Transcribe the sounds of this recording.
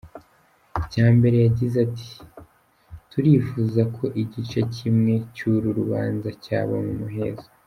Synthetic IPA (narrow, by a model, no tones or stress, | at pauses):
caːmbe̞ɾe̞jaɟizatʰi̥ | tuɾiːfuːzakʰo̞ʔiɟit͡ʃacimŋe̞cuɾuɾuβa̰ːnzaca̰ːβo̰mumuɦezo̥